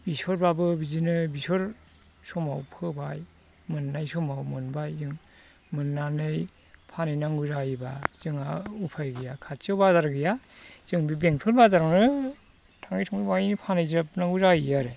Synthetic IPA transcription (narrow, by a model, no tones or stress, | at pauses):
bisɔɾbabɯbizinɯbisɔɾ | sɔma̰wpʰɯbaj | mɯnːajsɔmawmɯnbajzɯŋ | mɯnːanɯj | pʰanɯjnaŋɡuzaibaz̥ɯŋaupʰajɡɯjakʰat͡ʃɯbazaɾɡɯja | z̥ɯŋbibeŋtʰɔlbazaɾanɯ | tʰaŋɯjtʰɔŋibajnipʰanajzɯp̚naŋɡuzajijaɾɯ